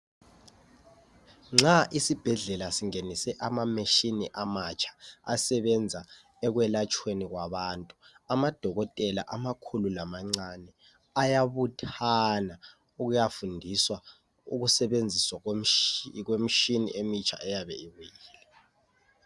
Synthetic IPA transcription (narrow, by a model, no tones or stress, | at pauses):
ŋ͡ǁaʔisib̥ʱɛɮɛlasiŋenisɛʔamameʃiniʔamat͡ʃʰḁa̰sɛβɛnd͡zʱa | ɛk̬wɛlat͡ʃʼʰweniɣwaβantʼu | amad̥ʱɔɣɔtʼɛla̰ʔamakʰululamaŋ͡ǀanɛ | ajaβutʰana | uɣujafundʱiswa | ṵɣusɛβend͡zʱiswa | kwem̩ʃinḭʔemit͡ʃʰa̰ʔɛjaβɛiwujiːlɛ